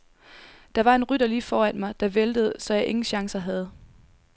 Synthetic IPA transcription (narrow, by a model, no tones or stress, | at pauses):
d̥ɑ̈ʋɑ̈e̝nʁyɾ̥ɐliːfɒːæn̰mɑ̈ɪd̥ɑ̈ʋeld̥əð̞̩ˠsɒ̽jɑ̈ɪʔe̝ŋn̩ɕɑ̈ŋsɐɦæð̞ˠ